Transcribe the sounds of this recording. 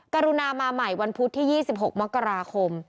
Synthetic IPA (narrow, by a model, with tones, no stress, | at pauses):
ka˧ɾu˧naː˧maː˧ma˨˩jwa˧npʰu˦˥t̪ʰːiː˥˩jiː˥˩si˨˩p̚ɦo˨˩k̚ma˦˥kːa˧ɾaː˧kʰo˧m